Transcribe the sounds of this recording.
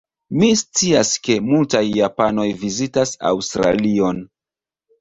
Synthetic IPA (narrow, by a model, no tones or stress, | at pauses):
mist͡siaske̞multajːapano̞jvizitasa̰wstɾa̰lio̞n